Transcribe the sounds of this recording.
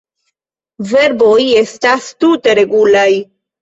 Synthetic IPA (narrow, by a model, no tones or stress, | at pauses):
ve̞ɾbo̞je̞stastute̞ɾe̞ɡulaj